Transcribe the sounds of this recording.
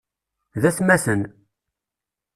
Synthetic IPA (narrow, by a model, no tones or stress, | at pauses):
ðæsmæsən